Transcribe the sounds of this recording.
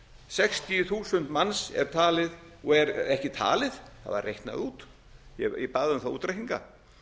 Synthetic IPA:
sɛxst̪iʏθuːsʏnt̪mansɛ̰ɾ̥t̪ʰaːlɪðɔɛɾɛhcɪt̪ʰa̰ːlɪðθa̰va̰rːejht̪na̰ðuːt̪ | jɛipaːðʏmθauːt̪ɾajh̪iŋka̰

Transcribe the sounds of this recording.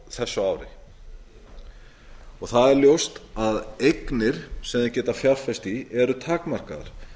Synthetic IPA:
θɛsːʏaːwɾɪ | ɔɣθaðɛɾljowst̪aðejknɪɾ̥sɛmðɛcɛːt̪afjalfɛst̪iɛɾʏt̪ʰaːkmar̥kaða̰ɾ̥

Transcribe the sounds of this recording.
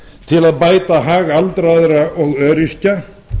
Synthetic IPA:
t̪ʰɪlaðpaːjt̪aɦaːɣaalt̪ɾaðɾaʔɔɣœːɾisca

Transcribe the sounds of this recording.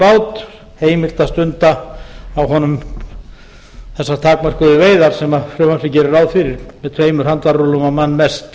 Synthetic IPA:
paːwt̪ | heːjmɪl̥t̪ast̪ʏnt̪aawɦɔnʏm | θɛsːaɾt̪ʰaːkmar̥kʏðʏveːjðaɾ̥sɛmafɾʏvamfɾɪcɛːɾʏɾawðfɪɾɪɾmɛðt̪ʰveːjmʏɾ̥hant̪vaɾʏlɔmamanːmɛst̪

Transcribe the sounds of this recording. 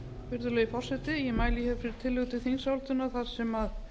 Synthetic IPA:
fɪɾðʏlɛːjɪfɔr̥sɛt̪ɪjɛmaːjlɪçɛvfɪɾɪɾ̥t̪ʰɪlːʏt̪ɪθinsawlt̪ʏnaθað̥sɛmað

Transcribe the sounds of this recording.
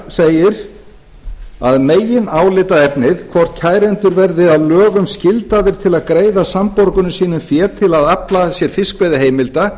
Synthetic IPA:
seːjɪɾ | a̰ðmeːjɪnaːwlɪt̪aðɛpnɪðkʰvɔr̥t̪cʰaːjɾɛnt̪ʏɾvɛɾðɪaðlœːɣʏmscɪlt̪aðɪɾ̥t̪ʰɪlaðkɾeːjðasampɔɾkʏnʏsiːnʏmfjɛːt̪ʰɪlaðaplasjɛɾ̥fɪskvɛðɪɦeːjmɪlt̪a

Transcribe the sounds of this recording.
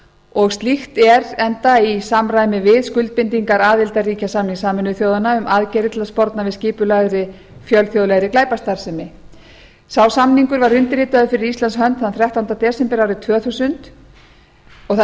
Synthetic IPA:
ɔɣst̪lixt̪ɛɾɛnt̪aisamɾaːjmɪvɪðskʏlt̪̚pɪnt̪iŋkaɾaːðɪlt̪ariːcasamniŋsaːmɪnʏθjoːwðanaʏmʔaːðcɛɾɪt̪laspɔɾt̪navɪsciːpʏlaːðɾɪ | fjœlθjoːðlɛɣɾɪklaːjpast̪aɾ̥sɛmɪ | sawsamniŋkʏɾvaɾʏnt̪ɪɾiːt̪aðʏfɪɾɪɾist̪anshœnt̪θaðnθɾjaht̪awnt̪at̪ɛːsɛmpɛɾawɾɪt̪ʰvœːθusʏnt̪ | ɔɣθ

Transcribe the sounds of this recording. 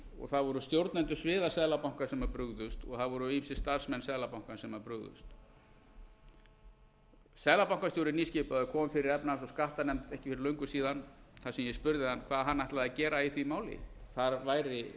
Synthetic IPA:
ɔ̰ɣθaðvɔɾʏst̪jowɾt̪najnt̪ʏsvɪːðasɛðlapawŋ̥kaɾ̥sɛmvaɾpɾʏɣðʏst̪ɔ̰ɣθaðvɔɾʏisɪ̥st̪aɾ̥smɛnsɛðlapaw̥ŋ̥kansɛmvaɾpɾʏɣðʏ̰st̪ | sɛðlapawŋkasjowɾɪniːscɪpaðʏkʰɔːmʏfɪɾɪɾɛpnasaskaht̪anɛmt̪ɛhcɪfɪɾɪɾlœɥŋkʏsiːðanθasɛmjɛspʏɾðɪhanːkʰv̥aːðɦanːajht̪laacɛːɾaiθvimaːwlɪ̰θaɾvaːjɾɪ

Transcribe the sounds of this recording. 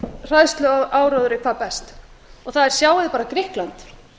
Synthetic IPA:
r̥aðst̪lʏʔaːwɾɔðʏɾɪkʰv̥aːðpɛst̪ | ɔθaðɛɾ̥sjaːwɪðɪpaːɾakɾɪhklant̪

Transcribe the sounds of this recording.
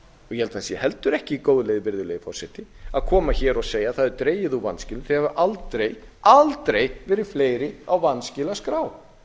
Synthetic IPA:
ɔɣjɛhɛlt̪asijɛhɛlt̪ʏɾɛhcɪkoːwðleːjðɪvɪɾðʏleːjðɪfɔr̥sɪt̪ɪaðkʰɔːmaçɛːɾɔseːjaθaðɛɾt̪ɾeːjɪðuvanscɪlθihɛvʏʔalt̪ɾej | alt̪ɾejvɛːɾɪ̥fleːjɾɪawvanscɪlaskɾaːw

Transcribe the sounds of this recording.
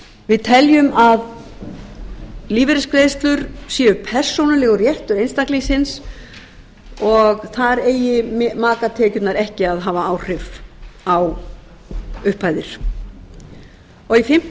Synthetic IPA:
vɪðt̪ʰɛljʏmað | liːvɪɾɪskɾeːst̪lʏɾsjɛːʏpʰɛr̥sownalɛːɣʏrjɛht̪ʏɾejnst̪aklisɪns | ɔɣθaɾeːjɪmmaːkat̪ʰɛːcʏt̪naɾɛhcɪaðɦaːvaaːwr̥ɪvaw | ʏhpaːjðɪɾ̥ | ɔɣifɪm̥

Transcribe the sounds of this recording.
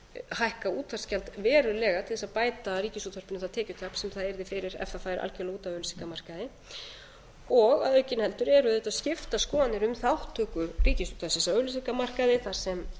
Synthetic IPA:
hajhkauːt̪ʰvḁscɛlt̪vɛːɾʏlɛːɣat̪ʰɪlθɛsaðpaːjt̪ariːcɪsuːt̪ʰœrpɪnʏθaðt̪ʰɛːcʏt̪ʰapsɛmθaðɛɾðɪfɪɾɪɾɛ̰ft̪afaːjɾʔa̰lcɛlauːt̪avœɥlʏsiŋkamar̥kaðɪ | ɔɣa̰ðœɥcɪnhɛlt̪ʏɾɛɾʏðʏt̪aðscɪft̪askɔːðanɪɾʏmθawht̪ʰːœːkʏriːcɪsuːt̪ʰasɪsaœːlʏs̬ikamar̥kaðɪθaɾ̥sɛm

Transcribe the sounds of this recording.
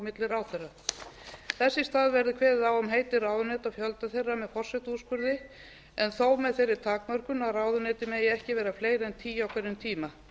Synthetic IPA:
mɪt̪lɪɾawθejrːa | θɛsːɪst̪aːðvɛɾðɪkʰvɛːðɪðawʏmɦeːjt̪ɪraːwðʏnɛːt̪afjœlt̪aθejrːamɛðfɔr̥sɛt̪uspʏɾðɪ | ɛnθoːwmɛðθejɾɪɾt̪ʰaːkmœr̥kʏnaðraːwðʏnɛːt̪ɪmɛðɛɛhcɪvɛːɾafleːjɾɛnt̪ʰiːjawkʰvɛɾɪnt̪ʰiːma

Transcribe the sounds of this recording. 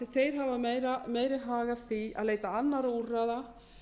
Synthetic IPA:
θejɾ̥ɦavameɾameːjɾɪɦaːɣḁθia̰ðleːjt̪aanːaɾauraːða

